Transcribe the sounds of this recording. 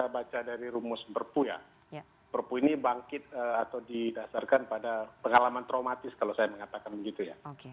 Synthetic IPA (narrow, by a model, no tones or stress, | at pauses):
abat͡ʃadaɾiɾumʊspərpuja̰ | pərpuinibaŋkɪt̪̚əat̪awdidasarkanpadapəŋalamant̪ɾaumat̪ɪskalawsajaməŋat̪akanbəɡit̪uja̰k